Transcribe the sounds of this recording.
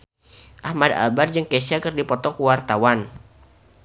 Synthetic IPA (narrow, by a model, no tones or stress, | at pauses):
ʔahmada̰bard͡ʒɨŋkesakɨrdipɔt̪ɔkuwart̪awan